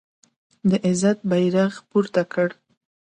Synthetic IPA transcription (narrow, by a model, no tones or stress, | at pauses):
d̪əʔɪzat̪̚bajɾaɣpuɾt̪akəɽ